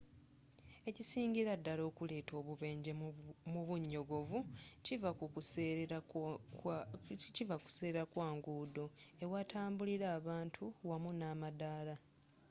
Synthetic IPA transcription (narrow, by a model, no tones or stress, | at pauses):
e̞cisiːɲɟiɾadːalo̞ːkule̞ːtʰo̞ːβuβe̞ːɲɟemuβuɲːo̞ɡo̞vucivaku | civaku̥seːɾeɾakwaːŋɡuːdo̞ewatʰaːmbuliɾaːβaːntʰuwamunaːmadaːla